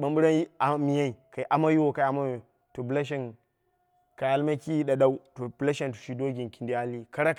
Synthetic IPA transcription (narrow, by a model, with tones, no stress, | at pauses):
ɓa˨˦mbu˦ɾa˦ji˦a˨mi˨ja˦i˨ka˨i˨˦ʔa˦ma˦ju˦wo˦ka˨a˦ma˦jo˨ | to˨bla˦ʃ̬e˦n | ka˨ja˨lma˦ki˦ji˦ɗa˨ɗa˦u˦to˨b̥la˦ʃe˦ntu̥˨ʃi˦do˦ɡʲi˨nki˨ndi˦a˦li˦ka˦ɾa˦